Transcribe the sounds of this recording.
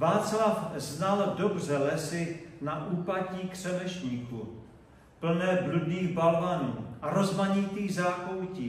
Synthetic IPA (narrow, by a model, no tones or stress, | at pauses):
vaːt͡slafznaldo̞brɛlɛsɪnaʔuːpaciːkr̝̥ɛvɛʃɲiːku | pl̩nɛːbludniːɣbalvanuːʔaɾo̞zmaɲɪt̪iːzaːkowciː